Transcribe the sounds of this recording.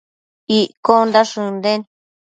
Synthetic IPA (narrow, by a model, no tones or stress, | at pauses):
iʔkond̪aʂũnd̪ẽn